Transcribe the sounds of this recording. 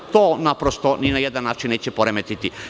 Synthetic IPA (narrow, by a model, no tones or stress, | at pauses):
t̪oːnapɾost̪oninajed̪anːaːt͡ʃinːeːt͡ɕepoɾemet̪it̪i